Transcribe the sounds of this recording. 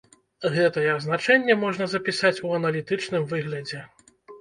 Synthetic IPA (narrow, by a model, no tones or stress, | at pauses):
ɣɛt̪ɐjɛznat͡ʂɛnʲːɛmɔʐnɐzɐpʲisat͡sʲuɐnɐlʲit̪ɨt͡ʂnɨmvɨɣlʲɐd͡zʲɛ